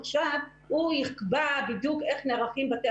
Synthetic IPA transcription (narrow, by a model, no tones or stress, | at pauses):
χʃav | hujiχbabid̪jukʔeχneʁaχimbat̪e